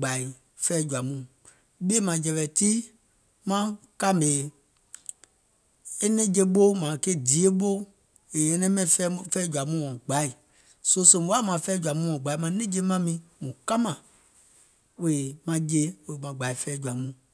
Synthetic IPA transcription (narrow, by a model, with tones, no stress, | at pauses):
ɡ͡ba˨i˨ | fɛː˦d͡ʒu˨a˨mũ˨ | ɓe˦mã˨d͡ʒɛ˨˧lɛ˨ti˦ | mã˦ka˦˨mbe˨ | e˦nɛ̃˦d͡ʒe˧ɓo˦mã˨ke˦˨di˨e˦ɓo˦ | e˨e˦nɛ̃˦mɛ̃˦ĩ˨ɛ˦fɛː˦d͡ʒu˨a˨mũ˦wɔ̃˨ɡ͡ba˨˦i˨ | so˦so˧˦˨wa˦˨mã˨fɛ˦d͡ʒu˨a˨mũ˦wɔ̃˨ɡ͡ba˨i˦mã˧nɛ̃˦d͡ʒe˧˦mã˦mĩ˧mũ˨ka˦mã˨ | we˨mã˧d͡ʒe˧˦we˨mã˨ɡ͡ba˨i˨fɛː˦d͡ʒu˨a˨mũ˨